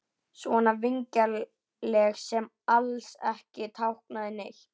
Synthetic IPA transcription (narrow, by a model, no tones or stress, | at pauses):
svɔnavɪɲcal | lɛxsɛm | alsɛ̰hcɪt̪ʰawhknaðɪne